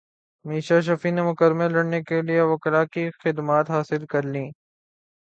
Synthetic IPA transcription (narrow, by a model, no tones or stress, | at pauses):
miːʃaʃ̬ɐfinemʊkəɾmelːɐɽnekelijeʋɐkɾakixɪd̪maːt̪ɦaːsɪlkɐɾlĩː